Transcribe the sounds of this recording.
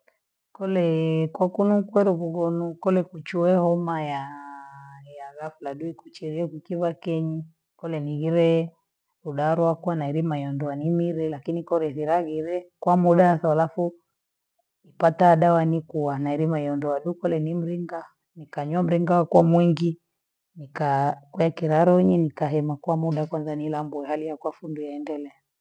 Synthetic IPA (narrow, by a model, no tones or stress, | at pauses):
kɔlɛkwakunukwɛɾukuɣɔnukɔlɛkut͡ʃuɛhɔmaja | jalafulaɗuikut͡ʃiɾiɛkukiβakɛɲi | kɔlɛniɣiɾɛ | uɗaɾɔakuanaiɾimaijɔndɔanimiɾɛlakinikɔɾɛθiɾaɣiɾɛkwamuɗasaalafu | ipataɗawanikuwanaɛɾimaiɔndɔwaɗukɔlɛnim̩ɾiŋɡa | nikaɲwam̩ɾiŋɡawakwamwɛŋɡi | nikakwakiɾaɾɔɲɛnikaɦɛmakwamuɗakwanzanilambuɛhalijakwafundujaɛndɛlɛa